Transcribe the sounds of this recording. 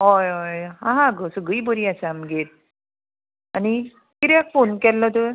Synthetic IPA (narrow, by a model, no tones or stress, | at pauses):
ɦɔjɔjɦãɦãɡəsəɡibəɾiasaamɡet̪̚ | añi | kiɾakfonkɛlːɔt̪ə